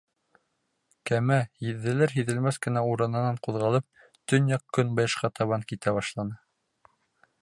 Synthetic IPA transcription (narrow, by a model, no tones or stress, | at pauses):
kæmæjɘ̆ðːɘ̆læɾɦiðɘ̆lmæθkɘ̆næuɾɤ̆nɤ̆nɑɴquðʁɑlˠɤp̚ | t̪ɵnjɑqkɵnbɤjɤ̆ʃqɑt̪ʰɑβɑŋkit̪æβɑʃlˠɑnɤ